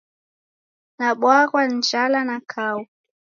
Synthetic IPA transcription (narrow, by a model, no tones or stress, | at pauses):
naɓwaɣwan̩d͡ʒalanakʰau